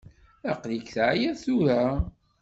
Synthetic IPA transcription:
æqlikθʕjæθuɾa

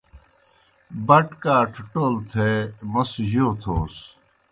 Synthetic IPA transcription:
bɐʈkaːʈʰʈoːlt̪ʰeːmɐsʑoːt̪ʰoːs

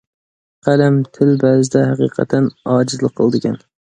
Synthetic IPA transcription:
qʰɑlamt̪ʰɪlbæːzɪd̪ahɑqʰḭːqʰɑ̰t̪ʰanɑːd͡ʒɪzlˠɨqʰɨlˠd̪ɪɡʲan

